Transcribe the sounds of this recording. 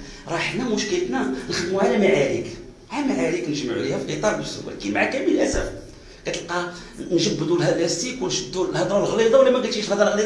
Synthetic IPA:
ɾˤɑħnæmʊʃkəlt̪nænəxəd̪muʕalæmaʕaɾik | ʕalæmaʕaɾiknəʒməʕṵlihæfiqət̪ˤɑɾˤbəsːṵw̰lkinmaʕakæmələlʔæsæf | kæt̪əlqɑ | nʒəb̪ːəd̪ulɦæblæst̪ikwnʃəd̪ːulhɑd̪ˤɾˤɑlɣlid̪ˤɑwlːæmæɡæt̪iʃlhɑd̪ˤɾɑɣlid̪

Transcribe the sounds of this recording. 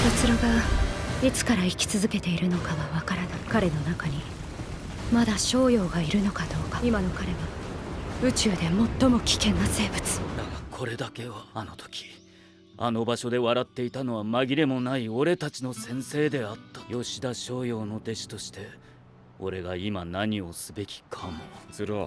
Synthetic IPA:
sot͡sɨɾoɡa | it͡sɨ̥kaɾaikʲi̥t͡sɨzɨke̞t̪e̞iɾɯ̟no̞kaβaβakaɾanaikaɾe̞no̞nakaɲ̟i | mad̪aɕo̞ːjo̞ːɡaiɾɯ̟no̞kad̪o̞ːkḁimano̞kaɾe̞βa | ɯ̟t͡ɕɨːd̪e̞mo̞t̪ːo̞mo̞kʲi̥kẽ̞nːase̞ːbɯ̟t͡sɨ̥d̪akakʰo̞ɾe̞d̪ake̞βaːno̞t̪ʰo̥kʲi̥ | a̰no̞baɕo̞d̪e̞βaɾat̪ːe̞it̪ano̞βamaɡʲiɾe̞mo̞naio̞ɾe̞t̪at͡ɕino̞sẽ̞ɰ̃se̞ːd̪e̞at̪ːḁjo̞ɕid̪aɕo̞ːjo̞ːno̞d̪e̞ɕi̥t̪o̞ɕi̥t̪e̞ | o̞̰ɾe̞ɡaimanaɲ̟io̞sɨbe̞kʲi̥kʰamoɨɾo

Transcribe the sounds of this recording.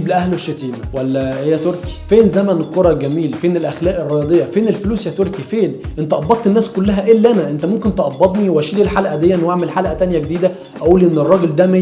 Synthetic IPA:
blʔæhloʃːet̪iːmæwælːæhejːæt̪oɾki̥feːnzæmænkoɾˤɑɡæmiːlfeːnelʔæxlæːʔerˤːɑjɑd̪ˤejːɑfeːnelfluːsjæt̪oɾkifeːnʔent̪æʔɑbːɑt̪̚ˤt̪ːenːæːskolːæɦæʔelːʔænæʔent̪æmomkent̪ʔɑbːɑt̪ˤniwæʃiːlilħalʔæd̪ejːæʔnːwaʕmelħalʔæt̪ænjæɡed̪iːd̪æ | ʔæʔuːliʔenːerˤːɑːɡeld̪æme

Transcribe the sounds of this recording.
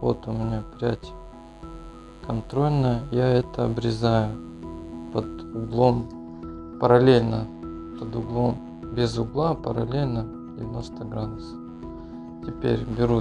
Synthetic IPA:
vo̰t̪ʊmʲɪnʲapʲɾʲatʲ | kɐnt̪ɾo̞lʲnəjjaɛt̪əɐbɾʲɪzajʊ | pəd̪ʊɡlˠo̞m | pəɾɐlʲelʲnə | pəd̪ʊɡlˠo̞m | bʲɪzʊɡlˠapəɾɐ̰lʲelʲnə | dʲɪvʲɪno̞st̪əɡɾad̪ʊsə̥ | tʲɪpʲḛɾʲbʲɪɾu

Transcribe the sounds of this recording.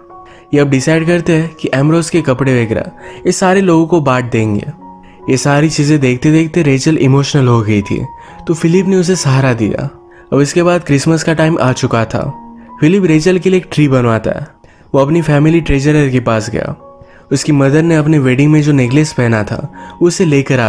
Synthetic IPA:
jeɐb̚ɖɪsaːɪɖkɐɾt̪eɦɛkiʔɛːmɾoːskekɐpɽeʋeɡɾa̰jesaːɾeloːɡõkobaːʈ̚d̪ẽːŋɡḛː | jesaːɾit͡ʃiːzẽd̪eːkʰt̪ed̪eːkʰt̪eɾeːt͡ʃəlɪmoːʃnəlɦoɡɐit̪ʰḭː | t̪ofɪlɪpneʊs̬esaːɦɾad̪ḭja̰ | ɐbɪskebaːd̪̚kɾɪsməskaʈaːɪmʔa̰ːt͡ʃʊkat̪ʰa̰ːfɪlɪpɾeːt͡ʃəlkelieːk̚ʈɾiːbɐnʋaːt̪a̰ɦɛ̰ | ʋoːɐpnifɛːmɪliʈɾeːd͡ʒəɾəɾkepaːsɡɐ̰ja̰ː | ʊskimɐd̪əɾneɐpneʋeːɖɪ̃ŋɡmẽd͡ʒoːneɡlespɛɦnat̪ʰa̰ːʊsːeleːkəɾaː

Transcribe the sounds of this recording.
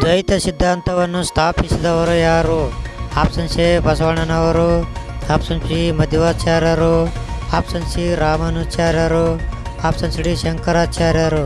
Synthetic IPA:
d͡ʒ̪ɐit̪ɐsid̪ʱːaːnt̪ɐʋɐnːust̪ʰaːpisid̪ɐʋɐɾujaːɾuaːpsɐnsebɐsʋɐɳɐnɐʋɐɾuaːpsɐnsimɐd̪ʱjɐʋaːt͡ʃaːɾjɐɾuaːpsɐnsiɾaːmɐnut͡ʃaːɾjɐɾuaːpsɐnsiɽiʃɐŋkɐɾaːt͡ʃaːɾjaɾu

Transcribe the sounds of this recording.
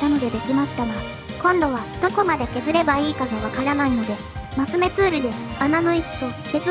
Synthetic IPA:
amiɡʲod̪e̞kʲimaɕi̥t̪ano | kõ̞nd̪o̞β̞ad̪̥o̞ko̞mad̪eke̞zɨɾe̞baiːkaɡaβ̞akaɾanaino̞d̪e̞masɨme̞t͡sɨːɾɯ̟d̪e̞anano̞it͡ɕi̥t̪o̞ke̞z

